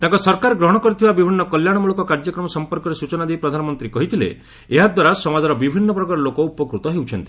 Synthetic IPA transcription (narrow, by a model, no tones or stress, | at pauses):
t̪ãŋkɔsɔɾkaɾɡɾɔɦɔɽ̃ɔkɔɾit̪ʰibabibʱinːɔkɔljaɽ̃ɔmuɭɔkɔkaɾd͡ʒɔkɾɔmɔsɔmpɔɾkɔɾesut͡ʃɔnad̪ejpɾɔd̪ʱanɔmɔnt̪ɾikɔɦit̪ʰilḛ | eɦad̪waɾasɔmad̪ʱaɾɔbibʱinːɔpɾɔkaɾɔlokɔupɔkɾut̪ɔɦewt͡ʃʰɔnt̪i̥